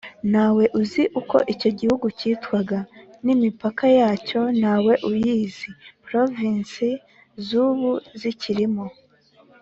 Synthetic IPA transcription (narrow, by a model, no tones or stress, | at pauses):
naːwe̞ʔuziʔuko̞̰ʔico̞ɟihuɡuciːtwaɡanimipakajaːco̞nawe̞ʔujiːzipɾo̞vinsi | zuβuziciɾimo